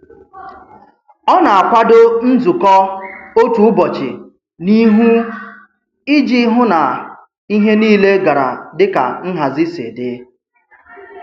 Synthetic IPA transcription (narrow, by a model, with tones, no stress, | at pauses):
ɔ˦na˨a˨kʷa˦dʊ˦n̩˦d͡zu˨kɔ˦o˦tu˦ʊ˦bɔ˨t͡ʃɪ̰˨ | ni˦ɦu˦ | i˦d͡ʒi˦ɦʊ˦na˨ | i˦ɦe˦niː˦le˦ɡa˨ɾa̰˨dɪ˦ka̰˨n̩˦ɦa˨zɪ˦sḛ˨dɪ˨˦